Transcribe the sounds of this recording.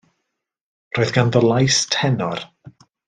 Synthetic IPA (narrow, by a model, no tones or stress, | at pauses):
roːɨðɡanðɔlˠajstʰɛnɔr